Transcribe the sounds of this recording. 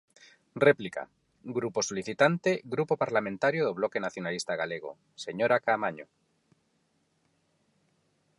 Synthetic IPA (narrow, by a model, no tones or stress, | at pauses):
replika̰ | ɡɾupo̞soliθit̪ant̪eɣɾupopaɾlamẽnt̪aɾjoðoβ̞loke̞naθjo̞nalist̪aɣaleɣ̞o̰ | seɲoɾakamaɲo̰